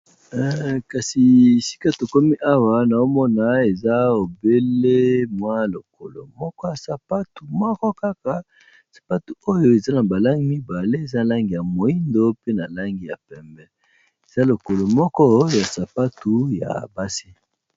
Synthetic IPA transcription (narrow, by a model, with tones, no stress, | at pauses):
ɛ˨ka˨si˨si̥˦ka˦to˨ko˦mi˦ʔa˦wa˦na˨o˦mɔ˦na˨e˨za˦o˨be˦le˦mwa˦lo˨ko̰˨lo̰˨mɔ˦kɔ˦ja˨sa˨pa˦tu˨mɔ˦kɔ˦ka˦ka˨ | sḁ˨pa˦tu˨o˦jo˦e˨za˦na˨ba˨la˦ŋɡi˦mi˦ba˨le˦e˨za˦˨la˦ŋɡi˨ja˨mo˨i˦ndo˦pe˦na˨la˦ŋɡi˨ja˨pɛ˨mbɛ˦ | e˨za˦lo˨ko˨lo˨mɔ˦kɔ˦ja˨sa˨pa˦tu˨ja̰˨ba˦si˦